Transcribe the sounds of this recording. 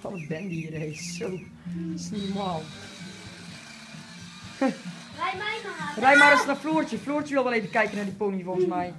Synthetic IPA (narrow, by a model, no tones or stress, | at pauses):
fɔnətbɛndiəɾejsow | snomaːlˠ | rɛjmaɾəsnafluːrtəfluːrtəʋɪlˠʋɛlˠeːvəkɛjkənadiponivɔnfənmɛj